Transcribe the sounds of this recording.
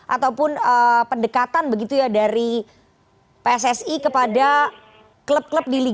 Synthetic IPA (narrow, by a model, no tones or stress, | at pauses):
ʔat̪awpʊnəpəndəkat̪anbəɡit̪ujadaɾi | peɛsɛsikəpada | kləp̚kləp̚dili